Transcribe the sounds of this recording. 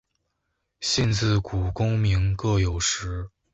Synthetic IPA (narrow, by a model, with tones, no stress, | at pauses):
ɕi˥˧nt͡sɹ̩˥˩ku˨˩kʊ˥ŋmi˧˥ŋkɤ˥˩jo˨˩ʊʂɻ̩˧˥